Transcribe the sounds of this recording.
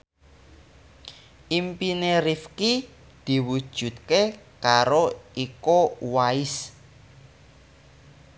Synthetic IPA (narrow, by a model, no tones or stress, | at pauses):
ʔimpineɾifki | d̪̥i̤wud̥ʒ̥ṳt̪̚ke | kaɾoikowaɪs